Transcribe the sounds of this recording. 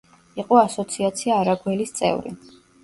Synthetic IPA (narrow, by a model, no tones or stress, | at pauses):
iqʼɔasɔt̪sʰiat̪sʰiaːɾaɡwɛlist̪sʼɛ̰vɾḭ